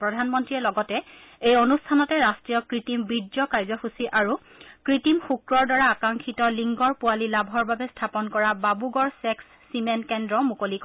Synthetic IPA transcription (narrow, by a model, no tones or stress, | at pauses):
pɹɔdʱanmɔntɹiɛlɔɡɔtɛejonustʰanɔtɛɹastɹijɔkɹitimbidzɔkaɹzɔxusiʔaɹu | kɹitimxukɹɔɹdaɹaːkaŋkʰitɔliŋɡɔɹpualilabʱɔɹbabɛstʰapɔnkɔɹababuɡɔɹsɛksːimɛnkɛndɹɔmukolik